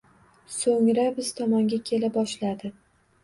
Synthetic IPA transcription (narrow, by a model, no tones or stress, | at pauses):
soŋɾabɪz̥t̪ʰɒmɒŋɡʲakʲʰe̞labɒʃlad̪ɪ